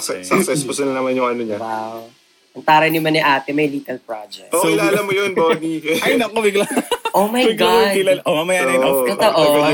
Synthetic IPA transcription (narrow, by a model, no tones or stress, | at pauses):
sɛsɐksɛskosɪnɐnɐmanjʊŋʔɐnoɲɐwaw | ʔɐŋt̪aːɾɐjnɪmɐnɪʔaːt̪ɛmɐjliːt̪ɐlpɹa̰d͡ʒɛkʔoɪlaːlɐmːojonboːniɐjnɐkobɪɡlanʔomɐjbɪɡaɪlaʔomamɐjaːnɐjooʔo